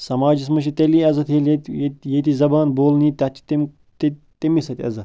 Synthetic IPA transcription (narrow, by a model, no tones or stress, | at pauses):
sɐmaːd͡ʒis̬mɐʃ̬it̪eliːɐzɐt̪ʰeletjet̪izɐbaːnboːlniːt̪ɐt͡ʃʰːi̥t̪im | t̪i | t̪imisɐt̪ʲiɐ̰zɐ